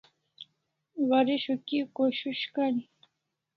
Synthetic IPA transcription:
waɾɪʃʊkɪkoʃʊʃkan

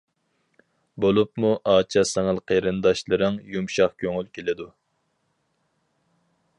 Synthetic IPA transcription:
bolˠupmuʔɑːt͡ʃʰɑsɛŋəlˠqʰəɾɨnd̪ɑʃlˠɨɾɨŋjumʃɑχkʲʰøŋylkʲʰelɪd̪u

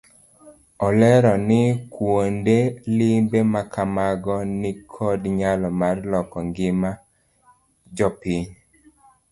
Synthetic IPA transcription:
ɔlɛɾɔnɪkwondelɪmbemakamaɡɔnɪkʰɔdɲalɔmarlɔkɔŋɡɪma | d͡ʒɔpiɲ

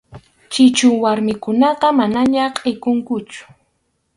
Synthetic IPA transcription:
t͡ʃɪt͡ʃʊwaɾmɪkʊnɑqɑmanaɲaqʼejkʊŋkʊt͡ʃʊ̥

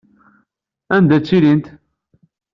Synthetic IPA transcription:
ænd̪æt͡sːilint̪

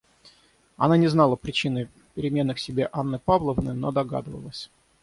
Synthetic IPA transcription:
ɐnanʲɪznalˠəpɾʲɪt͡ɕinɨj | pʲɪɾʲɪmʲe̞nːɨxsʲɪbʲeʔanːəpavlˠəvnəjnod̪ɐɡa̰d̪ɨvə̰lˠəsʲ

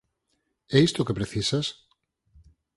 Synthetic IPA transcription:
ɛist̪okepɾeθisas

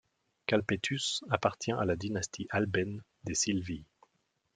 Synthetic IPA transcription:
kalpet̪ʰysapaʁt̪ʰjɛ̃ʔalad̪inast̪ʰiʔalbɛn | d̪esilvi

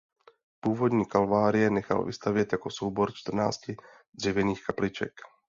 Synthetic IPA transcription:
puːvod̪ɲiːkalvaːɾɪɛɲɛxa̰l̰vḭst̪avjɛɟ̪jakosoʊbɔɾt͡ʃt̪r̩na̰ːsci | d̪rivɛniːxkaplit͡ʃɛ̰k

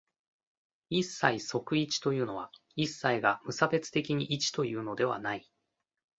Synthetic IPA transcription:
isːaiso̞kɯ̟it͡ɕi̥t̪o̞jɯ̟ːno̞β̞a̰isːaiɡamɯ̟sabe̞t͡sɨ̥t̪e̞kʲiɲ̟iʔit͡ɕi̥t̪o̞jɯ̟ːno̞d̪e̞βa̰nai

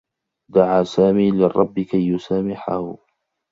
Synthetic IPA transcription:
d̪aʕaːsaːmiːlɪrˤːʔɑbːɪkajːʊsaːmɪħahʊ

